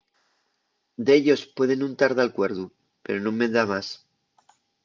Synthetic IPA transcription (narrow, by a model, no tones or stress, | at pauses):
d̪eeʎo̞spwe̞ðe̞nũnt̪aɾðalkwe̞ɾðu | pe̞ɾo̞nomːe̞ðamas